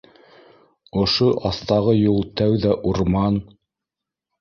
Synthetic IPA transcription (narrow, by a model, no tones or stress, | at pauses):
ŏʃoʔɑθt̪ɑʁɤjulˠt̪æwðæʔuɾmɑn